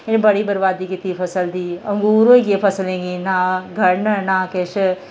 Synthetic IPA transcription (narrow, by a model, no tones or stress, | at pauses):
ɪnbɐɽibəɾʋaːd̪ikit̪iːpʰɐsəld̪iːɐ̃ŋɡuːɾoikepʰɐsəlẽːɡinaːɡʱɐɽnɐnaːkeʃ